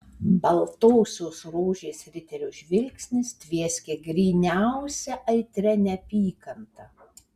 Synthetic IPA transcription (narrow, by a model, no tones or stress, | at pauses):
bɐlˠt̪oːsʲoːsɾoːʒʲeːsɾʲɪt̪ʲɛɾʲʊʒʲʋʲɪlʲksʲnʲɪst̪ʲʋʲiɛsʲkʲeɡɾʲiːnʲæˑʊsʲɛʔɐɪt̪ʲɾʲɛnʲɛpʲiːkɐnt̪ɐ